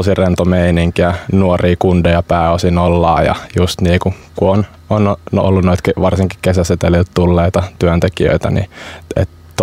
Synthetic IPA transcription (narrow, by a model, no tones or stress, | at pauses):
sirent̪omeiniŋkiænuoriːkundojɑpæːosinolːɑ̰ːjɑ̰just̪niːku | kuon | ono̰lːunnoit̪keʋɑrsiŋki̥kkesæset̪elilt̪t̪ulːeit̪ɑt̪yønt̪ekiø̰it̪æ̰nḭḛt̪ | t̪